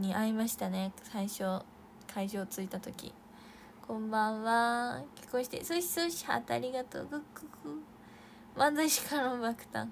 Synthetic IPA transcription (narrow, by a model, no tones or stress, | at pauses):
ɲ̟iʔaimaɕi̥t̪ane̞saiɕo̞ | kʰaiʑo̞ːt͡sɨit̪at̪o̞kʲḭ | kʰõ̞mbãɰ̃βakʲi̥kõɕi̥t̪ḛsoɕi̥soɕi̥ha̰t̪a̰ɾʲiɡat̪o̰ːɡɯkːokɯ | mãnd͡zaiɕi̥kʰaɾõmbakɯ̟̥t̪ã̰ŋ